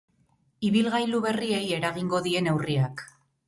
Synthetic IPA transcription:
iβilɣajluβe̞rie̞je̞ɾaɣiŋɡo̞ðie̞ne̞wriak

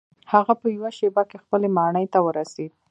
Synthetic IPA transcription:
haɣapəjawaʃebakexpəlemɑɳəjt̪awəɾased̪̚

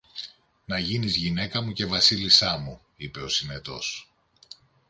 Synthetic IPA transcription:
nɐʝinizʝine̞kɐmuce̞vɐsilisɐmu | ipe̞o̞sine̞t̪o̞̰s

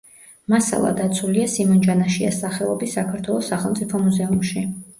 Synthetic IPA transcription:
masa̰lˠa̰d̪at̪sʰuliasimɔnd͡ʒanaʃiasaχɛɔbisakʰaɾt̪ʰwɛlˠɔsːaχɛlˠmt̪sʼipʰɔmuzɛumʃi

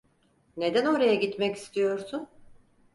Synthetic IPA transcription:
ne̞d̪æno̞ɾajaɟit̪mɛci̥st̪ʰijo̞ɾsʊn

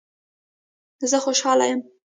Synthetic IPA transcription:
zəxoʃɑla̰jəm

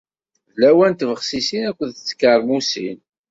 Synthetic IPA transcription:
ðlæwænt̪vəχsisinækʷːəðt͡sːkːəɾˤmusḭn

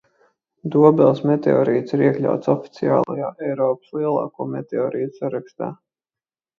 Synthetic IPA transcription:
d̪uɔbɛlˠsmet̪eɔ̰ːɾiːt̪siɾiɛklʲa̰wt̪sɔfi̥t̪sia̰ːlˠa̰jaːʔɛjɾɔːpslˠiɛlˠɑ̰ːkuːmʲet̪eɔːɾiːt̪u̥saɾakst̪a̰ː

